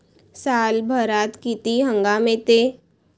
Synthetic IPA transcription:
saːlbʱəɾaːt̪kit̪iɦə̃ŋɡamẽt̪e

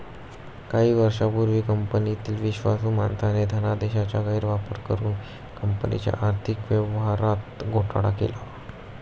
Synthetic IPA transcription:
kaɦiːʋəɾʂapuɾʋiːkəmpənit̪iːlʋiɕʋasuːma̰nt̪aned̪ʱənad̪eɕat͡ɕjaɡəiːɾʋapəɾkəɾuːn | kəmpənḭt͡ɕja̰ʔaɾt̪ʰikʋjəʋɦaɾat̪ɡʱoʈɽa̰kḛla

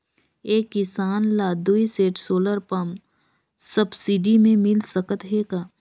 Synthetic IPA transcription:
eːkːɪsaːnlaːd̪uiseːʈsoːləɾpɐm | səbsiɖimẽmɪlsəkət̪ɦeːɡaː

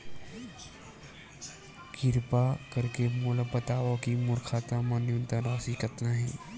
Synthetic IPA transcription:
kɪɾpakəɾkemʊləbət̪aːʋakimʊɾkʰaːt̪ãmanjunt̪aɾaːsikət̪naɦɛ̃ː

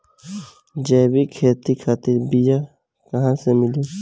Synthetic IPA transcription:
d͡ʒɛːbikʰeːt̪ikʰaːt̪ɪɾbija | kəɦãsemɪli

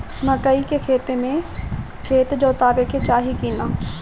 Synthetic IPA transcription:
məkəikekʰeːt̪emẽ | kʰeːt̪d͡ʒoːt̪aːbeket͡ʃaːɦikiːnaː

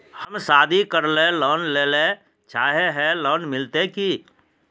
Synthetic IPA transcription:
həmsaːd̪ʱikəɾlẽlɔːnleːle | t͡ʃaːɦeɦɛlɔːnmɪlt̪eki

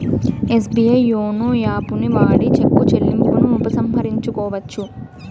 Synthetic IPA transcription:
esbiɐjoːnujaːpuniʋaːɽit͡ʃepːut͡ʃelːimpunuːpɐsɐmɦɐɾiɲt͡ʃukɔːʋɐt͡ʃːu

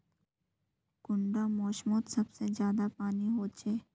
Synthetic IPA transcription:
ɡ̥ʊɳɖamɔːʃmot̪sɐbsezjaːd̪apaːniɦoːt͡ʃeː

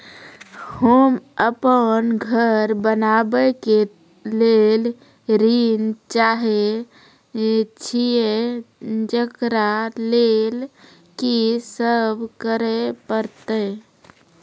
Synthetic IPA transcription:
homəpənɡʱəɾbənabəke | lel | ɾint͡ʃaɦe | t͡ʃʰije | d͡ʒəkɾalel | kisəbʱkəɾəpəɾt̪ə

